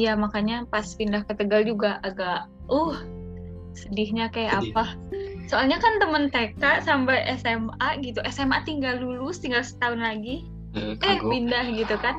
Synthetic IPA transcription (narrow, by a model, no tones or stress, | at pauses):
jamakaɲapaspindahkət̪əɡald͡ʒuɡaʔaɡaʔ | ɔh | sədɪhɲakajaʔapa | soalɲakant̪əmənt̪ekaʔsampajʔɛsɛmaɡit̪uʔɛsɛmat̪iŋɡaldulʊst̪iŋɡalsə̥t̪aʊnlaɡi | əpindahɡit̪ukan